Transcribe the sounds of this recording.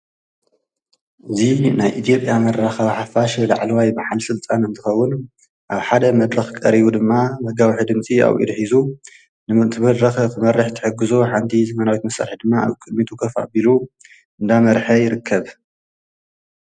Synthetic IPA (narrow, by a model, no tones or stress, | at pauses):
ʔɨzinajʔit̪ʰijo̞pʼjamɐɾːaxɐβħafaʃelaʕlɐwajmaħalsɨlt̪ʼanɨnt̪ʰɨxɐwːʊn | ʔaβħad̪ɐmɐd̪ɾɐxkʼɐ̰ɾiβud̪ɨmːamɐɡawiħɨd̪ɨmt͡sʼia̰βʔḭd̪ħizu | nɨmɨnt̪ʰɨβɐd̪ɾɐxɐkʰɨmɐrːɨħt̪ʰɨ̥ħɨɡːɨzoħant̪ʰizɐmɐnawit̪mɐsa̰ɾħid̪ɨmːaa̰βkʼɨd̪mit̪ʰʼukʰɐfa̰bilu | ʔɨnd̪amɐɾħɐjɪɾɨkʰːɐβ